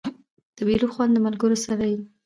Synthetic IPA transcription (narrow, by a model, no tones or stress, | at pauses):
d̪̥əbeloxwand̪d̪əmalɡəɾosaɾaji